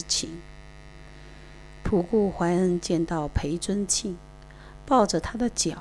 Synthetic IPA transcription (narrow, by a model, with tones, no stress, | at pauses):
t͡ɕʰḭ˧˥n | pʰu˨˩ku˥˩xwa˧˥ɪə˧˥nt͡ɕjɛ˥˧nt̪ɑ˥˩ʊpʰe˧˥ɪt͡swə˥nt͡ɕʰi˥˩ŋ | pɑ˥˩ʊʈ͡ʂə˩t̪ʰa˥d̪ə˨t͡ɕjɑ˨˩